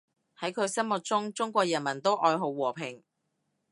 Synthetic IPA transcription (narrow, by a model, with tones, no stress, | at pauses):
hɐ˨˥jkʰɵ˨˧ɥsɐ˥nmʊ˨t̚t͡sʊ˥ŋt͡sʊ˥ŋkʷɔː˧k̚jɐ˨˩nmɐ˨˩nt̪o˥wʔɔː˧jɦo˨˧wwɔː˨˩pʰɪ˨˩ŋ